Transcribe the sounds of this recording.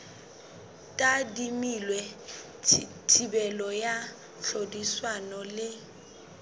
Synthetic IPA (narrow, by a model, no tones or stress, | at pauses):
tʼadimilwɛ | tʰibɛlɔja | ɬodiswanɔlɪ